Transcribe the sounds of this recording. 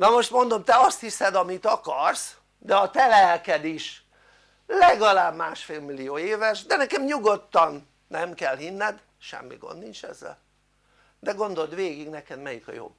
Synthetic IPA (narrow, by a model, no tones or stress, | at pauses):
nɒmo̞ʃt̪mo̞nd̪o̞mt̪ɛɒst̪hisɛd̪ɒmit̪ɒkɒrs | d̪ɛɒt̪ɛlɛlkɛd̪iʃ | lɛɡɒlaːbmaːʃfeːlmilijoːeːvɛʃd̪ɛnɛkɛmɲuɡo̞t̪ːɒnː | ɛmkɛlɦinːɛd̪ | ʃɛ̰mːḭɡo̰nd̪nint͡ʃɛ̰zːɛ̰l | d̪ɛɡo̞nd̪o̞ld̪ʋeːɡiɡnɛkɛd̪mɛjikɒ̰jo̰ː